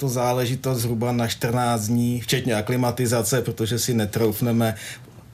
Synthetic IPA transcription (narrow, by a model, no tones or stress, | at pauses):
t̪ozaːlɛʒɪt̪ost̪zɦɾubanaʃt̪r̩naːd͡zd̪ɲiːft͡ʃɛt̪ɲɛaklɪmat̪ɪzat͡sɛpɾot̪o̞ʒɛsɪnɛt̪ɾowfnɛmɛ